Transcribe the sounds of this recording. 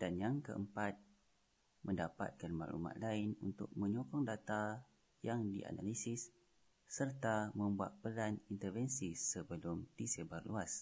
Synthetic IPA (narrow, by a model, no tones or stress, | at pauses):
d̥anjaŋkə̰ʔəmpat̪̚ | mʔə̃ndapa̰t̪̚kanmã̰lṵma̰ʔ̪laɪnunt̪ʊ̰k̚mə̃ɲɔkɔŋdat̪a | jaŋdiʔa̰na̰lisɪsː | ərt̪amə̃mbua̰t̪̚pəlanint̪ərfɛnsisəbəlʊmdisebarluas